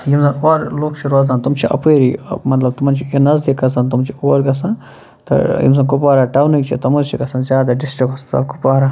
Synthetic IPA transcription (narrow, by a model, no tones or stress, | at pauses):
jimzɐnoɾloːk̚t͡ʃʰiɾoːz̬ant̪umt͡ʃʰiʔɐ̰peːɾimɐt̪lɐb̚t̪umɐnt͡ʃʰijinɐzd̪ikɐs̬ɐnt̪umt͡ʃʰioːɐɾɡɐsan | t̪ɐ̰jḭmzɐnkupaːɾaːʈɐwnikt͡ʃʰit̪ɐmuzt͡ʃʰikɐsɐnzʲjaːd̪aɖisʈikost̪ɐ̰bkupaːɾa